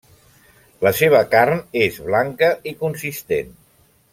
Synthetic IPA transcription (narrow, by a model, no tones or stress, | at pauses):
ləseβ̞əkarnezβlaŋkəikunsist̪ḛn